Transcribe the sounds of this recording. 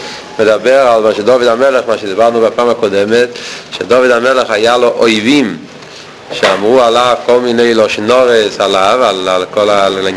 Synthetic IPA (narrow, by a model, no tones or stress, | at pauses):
məd̪abɛʁalmaʃɛdɔvidamɛlɛχmaʃɛdibaʁnubapaːmakɔdɛmɛtʃɛdɔvidamɛleχajaloʔoɪvim | ʃeamʁualav̥kɔlˠmineɪlɔʃnɔʁɛsalavalalkɔlal